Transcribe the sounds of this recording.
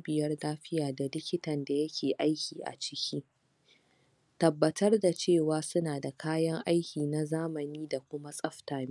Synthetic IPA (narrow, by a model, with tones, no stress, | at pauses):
bɪ˨jɐ˦rnaː˦ɸɪ˦jaː˨da˨lɪ˦kʲɪ˦tɐ˨nda˨jɐ˦kʲʰeː˨ʔa˦jkʲiː˨ʔa̰˨t͡ʃɪ˦kʲʰiː˦ | tɐ˨bːɐ˨tɐ˦rda˨t͡ʃeː˦˨waː˨sʊ˦naː˨da˨kʰaː˦jɐ˦ŋʔa˦jkʲiː˨na˨zaː˦mɐ˨niː˦da˨kʷʊ˦ma˦sʼɐ˦ɸtaː˨m˦